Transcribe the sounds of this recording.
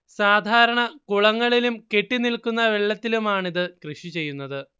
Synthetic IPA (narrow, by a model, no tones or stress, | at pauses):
saːd̪ʱaːɾɐɳɐkuɭɐŋːɐɭilumke̞ʈːinilkunːɐʋeɭːɐt̪ːilumaːɳiðɨkrɨʂit͡ɕe̞jːunːɐðɨ